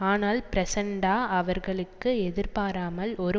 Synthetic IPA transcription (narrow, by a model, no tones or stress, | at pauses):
aːnaːlpɪɾɐsɛɳɖaːɐʋɐɾɣɐɭɯkːɯɛðɪɾpaːɾaːmɐlɔɾɯ